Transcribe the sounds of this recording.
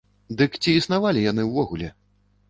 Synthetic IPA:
d̪ɨkt͡sʲiːsnavalʲijanɨwvɔɣulʲɛ

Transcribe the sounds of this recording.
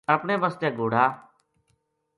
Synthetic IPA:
əpɳeːbəst̪eːɡoːɽ̤aː

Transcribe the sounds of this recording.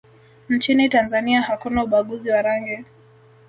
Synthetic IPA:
n̩t͡ʃinitanzaniahakunauɓaɠuziwaɾaŋɡɛ

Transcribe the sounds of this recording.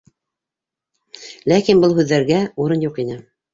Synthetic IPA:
lækinbɤlˠɦʉðːæɾɡæuɾɤnjuqinɘ

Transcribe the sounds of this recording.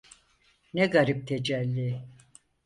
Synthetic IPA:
nɛɡaɾip̚t̪ʰed͡ʒælʲːi

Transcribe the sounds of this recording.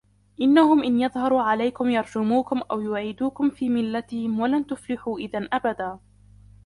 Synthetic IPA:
ʔɪnːahʊmʔɪnjɑðˤhɑɾˤuːʕalajkʊmjɑɾˤd͡ʒʊmuːkʊmʔawjʊʕiːd̪uːkʊmfiːmɪlːat̪ɪhɪmwalant̪ʊflɪħuːʔɪðanʔabad̪aː

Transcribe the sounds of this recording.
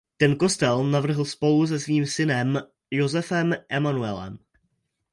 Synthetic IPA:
t̪ɛnko̞st̪ɛlnavr̩ɦl̩spo̞lus̬ɛsviːmsɪnɛm | jo̞zɛfɛmʔɛmanuɛlɛ̰m

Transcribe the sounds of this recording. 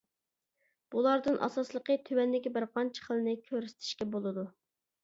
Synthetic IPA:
b̥ulˠɑɾd̪ɨnʔɑ̰sɑslˠəqət̪ʰywɛnlɪɡʲɛbɪɾqɑnt͡ʃʰə̥χəlˠɨnɨkʲʰøɾysɪ̥t̪ʰɪ̥ʃkʲɛbolˠɨd̪u

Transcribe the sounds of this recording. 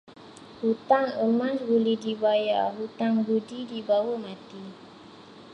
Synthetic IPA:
hut̪aŋəmãsɡulidibajaɦut̪aŋɡudidibawəmãt̪i

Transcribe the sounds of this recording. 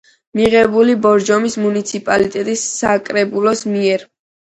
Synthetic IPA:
miʁɛbulibɔɾd͡ʒɔmismunit̪sʰipʼalit̪ʼɛt̪ʼisːakʼɾɛbulˠɔsmiɛɾ

